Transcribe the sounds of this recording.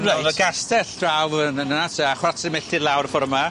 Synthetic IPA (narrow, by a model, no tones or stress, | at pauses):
vaɡastɛɬd̥rawvənənənatʰɛaχwatʰɪmɛɬɪlˠawrfɔɾəma